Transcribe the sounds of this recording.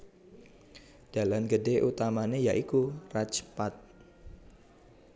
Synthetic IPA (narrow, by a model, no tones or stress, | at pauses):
d̥a̤lamɡədeʔut̪amanejaʔikurat͡ʃpat̪̚